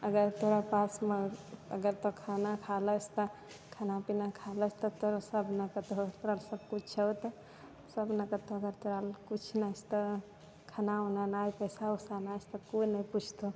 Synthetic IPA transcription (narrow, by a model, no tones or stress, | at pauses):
əɡəɾt̪oɾapasmeə̰ɡəɾt̪okʰanakʰalət͡ʃʰt̪ɔ | kʰanapinakʰalət͡ʃʰt̪ɔt̪oɾasəbʱnəkət̪ot̪oɾalsəbkut͡ʃt͡ʃʰət̪ɔ | səbnəkət̪oəɡəɾt̪oɾalkut͡ʃʰnat͡ʃʰt̪ɔ | kʰanaonanajpəjsausanat͡ʃʰt̪ɔkoinəjput͡ʃʰt̪o